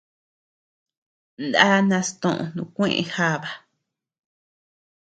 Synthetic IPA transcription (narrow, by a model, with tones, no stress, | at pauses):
nd̪a˦nã˧st̪õ˧ʔõ̰˧nũ˧kʷẽ˦ʔḛ̃˧xa˦βa˨